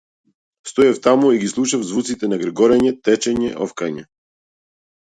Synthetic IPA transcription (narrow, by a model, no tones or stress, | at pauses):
st̪ɔjaft̪amuiɡislˠuʃavzvut̪sit̪ɛnaɡɾɛɡɔɾɛɲɛt̪ɛt͡ʃɛɲɛʔɔfkaɲɛ